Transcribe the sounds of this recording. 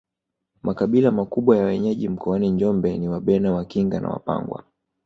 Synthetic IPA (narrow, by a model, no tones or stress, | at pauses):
mʔakaɓilamakuɓwajawɛɲɛʄim̩kʰɔaniɲd͡ʒɔmbɛniwaɓɛnawakiŋɡana̰wa̰pa̰ŋɡwa̰